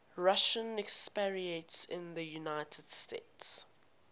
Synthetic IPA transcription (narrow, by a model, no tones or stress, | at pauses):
ɹaʃə̃nɛkspɛɹiə̃tsɪ̃nðəjunaɪtʰəd̥steːts